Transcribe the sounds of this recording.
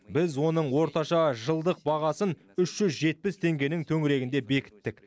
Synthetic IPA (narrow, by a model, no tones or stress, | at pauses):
bɪzwo̞nəɴwo̞ɾt̪ɑʃɑʒəlˠd̪əq̚bɑʁɑsən | ʏʃʒ̥ʏzʒe̞t̪̚pɪst̪ʰe̞ŋɡʲe̞nɪŋt̪ʰɵŋɪɾe̞ɡʲɪnd̪e̞be̞kʲɪ̥t̪ːɪk